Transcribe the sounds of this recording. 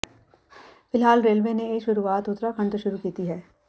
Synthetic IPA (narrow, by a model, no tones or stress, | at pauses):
fɪlɦaːlɾeːlʋeneeːkʃʊɾuaːt̪ʊt̪ɾakʰɐ̃ɳʈʃʊɾukiːt̪iɦɛː